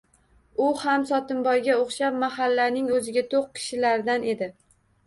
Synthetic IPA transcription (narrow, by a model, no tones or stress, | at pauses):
ʊhamsɒt̪ɪnbɒjɡʲaoχʃapmahalːanɪŋɵzɪɡʲat̪ʰoq̚kʲʰɪ̥ʃɪlaɾd̪ane̞d̪ɪ